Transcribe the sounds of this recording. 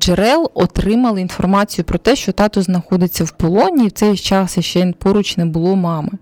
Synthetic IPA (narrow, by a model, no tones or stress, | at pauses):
d͡ʒeɾɛlˠɔt̪ɾɪmɐlˠɪinfɔrmɑt͡sʲijʊpɾɔt̪ɛʃt͡ʃɔt̪ɑt̪ʊznɐxɔd̪ɪt͡sʲːɐwpɔlˠɔnʲiːwt̪sɛjt͡ʃɑsjɐʃt͡ʃɛnpɔɾʊt͡ʃnɛbʊlˠɔmɑmɪ